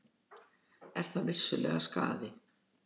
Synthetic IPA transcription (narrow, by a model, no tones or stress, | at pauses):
ɛɾ̥θawvɪ̥sːʏlʔɛ̰ːɣaska̰ːðɪ